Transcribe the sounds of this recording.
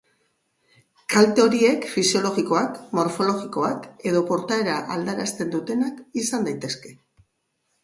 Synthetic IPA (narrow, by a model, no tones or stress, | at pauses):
kalt̪eo̞ɾie̞kfisio̞lo̞ɣiko̞akmo̞ɾfo̞lo̞ɣiko̞ake̞ð̞o̞po̞ɾt̪ae̞ɾaʔald̪aɾast̪e̞nd̪ut̪e̞nakisand̪ajt̪e̞ske̞